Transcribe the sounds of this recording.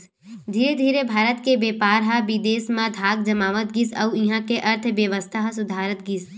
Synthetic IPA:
d̪ʱiːɾed̪ʱiːɾebʱaːɾət̪kebeːpaːɾɦabid̪eːsmãd̪ʱaːɡ̚d͡ʒɐmaːʋət̪ɡɪsɐuɪ̃ɦãkeʔɐɾt̪ʰʋjəʋəst̪ʰaɦsʊd̪ʱaːɾət̪ɡɪs

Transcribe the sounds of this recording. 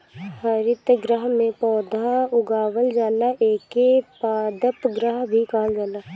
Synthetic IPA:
həɾɪt̪ɡɾəɦmẽpɔːd̪ʱãʊɡaːʋəld͡ʒaːlaʔeːkepaːd̪əpɡɾəɦbʱikaːld͡ʒaːlaː

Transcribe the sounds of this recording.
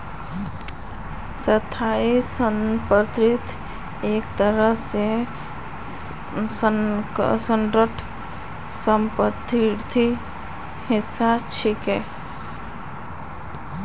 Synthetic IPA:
sət̪ʰːaisənpət̪ɾɪt̪ | eːk̚t̪əɾəɦse | sənɾəʈʰ | səmpət̪ʰːiɾt̪ʰi | hɪsːat͡ʃʰɪkɦɛː

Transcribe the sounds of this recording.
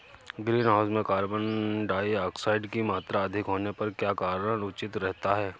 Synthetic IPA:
ɡɾiːnɦaːʊzmẽkaːɾbənɖaːiaːksaːɪɖkimaːt̪ɾaɐd̪ʱɪkɦoːnepɐɾkjaːkaːɾənʊt͡ʃɪt̪ɾɛɦt̪aɦɛː

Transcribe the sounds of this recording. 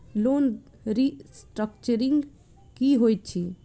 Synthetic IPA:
lon | ɾisʈɾəkt͡ʃəɾĩŋɡ | kiɦojt̪̚t͡ʃʰi

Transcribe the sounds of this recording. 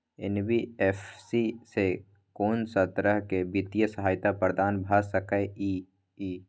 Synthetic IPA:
ɪ̰nbiɛːfsise | koːnsət̪ɾəɦkebit̪ijəsəɦaːjt̪apəɾd̪aːnbʱaːsəkəeiː | iː

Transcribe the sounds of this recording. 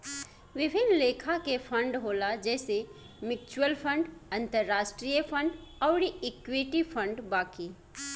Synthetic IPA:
ʋɪbʱɪnleːkʰakepʰə̃ɳɖɦoːlad͡ʒɛːse | mɪk̚t͡ʃwəlpʰə̃ɳɖɐ̃nt̪əɾːaːʃʈɾijəpʰə̃ɳɖɔːɾiɪkwiʈipʰə̃ɳɖbaːkiː

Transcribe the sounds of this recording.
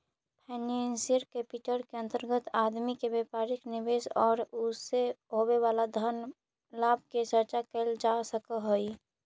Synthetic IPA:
pʰɛːnensiɾkepiʈəɾkeə̃nt̪əɾɡət̪aːd̪mikebepaɾɪknɪbesɔːɾʊseɦoweʋalad̪ʱən | laːb̚ket͡ʃəɾt͡ʃakɛld͡ʒasəkəɦoi

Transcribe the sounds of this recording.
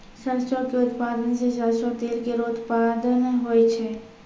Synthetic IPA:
səɾsokeʊt̪pad̪ənseʃasɾot̪eɾkeɾot̪pad̪ənɦoːjt͡ʃʰe

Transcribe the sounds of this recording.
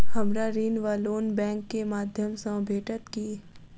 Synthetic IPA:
hɐmɾaɾiːnʋaːloːnbɛ̃ːŋkːemaːd̪ʱjəmsə̃bʱeːʈət̪kiː

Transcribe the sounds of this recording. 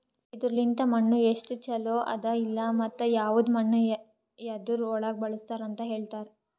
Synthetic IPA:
id̪uɾlint̪ɐmɐɳːueʂʈut͡ʃɐloːʔɐ̰d̪ɐilːɐmɐt̪ːɐjaːʋud̪mɐɳːu | jɐd̪uɾɔɭaːɡ̚bɐɭust̪aːɾɐnt̪ɐɦe̞ːɭt̪aːɾe

